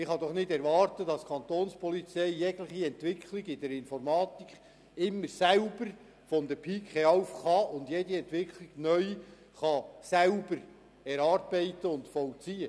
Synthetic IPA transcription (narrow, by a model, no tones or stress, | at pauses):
ɪχɑd̥̪ɔχnɪdɛɾʋɑːrt̪əd̥ɑskʰχɑnt̪oːnspɔlit͡sɛɪːɛɡləχiɛnt̪ʋɪkʰlɪɡɪd̥ɛɾɪnfɔɾmɑːt̪ikχ | ɪmːəɾsæʊb̥əɾ | fɔnd̪əɾpʰiːkχɛɑwfχɑʊnd̪jɛdiɛnt̪ʋɪkχlɪɡ̥nœʏ | χɑsælbəɾ | ɛɾɑːɾb̥ɛɪt̪əʊndfɔwt͡siə